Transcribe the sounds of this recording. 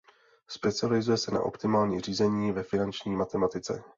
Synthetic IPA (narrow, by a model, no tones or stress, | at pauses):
spɛt͡sɪalɪzujɛsɛna̰ʔo̞̰pt̪ɪmaːlɲiːr̝iːzɛɲiːvɛfɪnant͡ʃɲiːmat̪ɛmat̪ɪt͡sɛ̰